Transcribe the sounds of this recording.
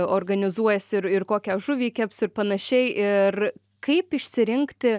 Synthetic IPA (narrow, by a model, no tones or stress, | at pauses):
oːrɡɐnʲɪzuɔjɛsʲɪɾɪrkoːkʲɛʒʊʋʲiːkʲɛpsɪrpɐnɐʃʲɛɪʔɪr | kɐɪpɪʃʲsʲɪɾʲɪŋkt̪ʲɪ